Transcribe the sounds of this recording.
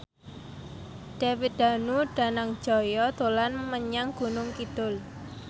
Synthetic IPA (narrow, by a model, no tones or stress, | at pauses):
d̥awit̪̚d̪̥a̤nuɖ̥a̤naŋd̥ʒ̥ɔ̤jɔt̪olanməɲaŋɡ̥unʊŋkid̪̥ʊl